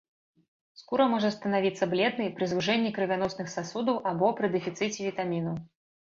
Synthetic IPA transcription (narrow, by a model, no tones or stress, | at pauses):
skuɾɐmɔʐɐst̪ɐnavʲit̪sːɐblʲɛd̪nɐjpɾɨzvuʐɛnʲːikɾɨvʲanɔsnɨxsasud̪ɐwʔabɔpɾɨd̪ɨfʲit̪sɨt͡sʲɛvʲit̪amʲinɐw